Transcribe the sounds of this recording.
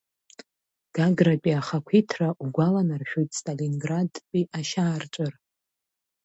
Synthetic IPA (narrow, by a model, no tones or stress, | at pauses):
ɡ̥aɡrapʲʼiaχakʷʰitʰraʔuɡʷalanarʃᶣojtʼstʼalinɡradpʼiʔaʃaːrt͡ʃʷʼɨr